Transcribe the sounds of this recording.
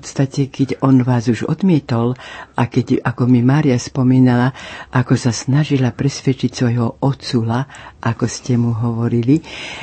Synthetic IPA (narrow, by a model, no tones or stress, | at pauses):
ppɔt̪st̪acɛkɛɟɔnʋaːzuʒɔ̰d̪mɪɛt̪ɔlʔakɛɟakɔmimaːɾiaspɔmiːnalaʔakɔsasnaʒilapɾɛsʋɛt͡ʃicsʋɔjɦɔʔɔt͡sulaʔakɔscɛmuɦɔʋɔɾili